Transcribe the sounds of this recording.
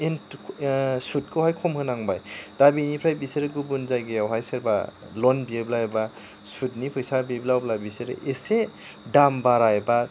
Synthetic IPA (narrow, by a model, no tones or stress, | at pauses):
en | sut̚kʰɯwhajkʰɔmhɯnaŋbajdabinipʰɾajbiseɾɯɡubunzajɡejawɦajsɯɾba̰ | lɔnbieblajeba | sut̚nipʰɯjsabiblawblabiseɾɯ̰ʔese | dambaɾajba